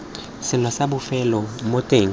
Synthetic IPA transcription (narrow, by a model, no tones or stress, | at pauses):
sɪlɔsabʊfɛlɔmotʼeŋ